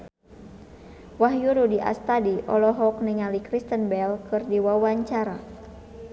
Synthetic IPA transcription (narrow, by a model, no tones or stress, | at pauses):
waɦjuɾudiʔa̰st̪adiʔɔlɔɦɔk̚niŋalikɾist̪ənbɛlkɨrdiwawaɲt͡ʃaɾa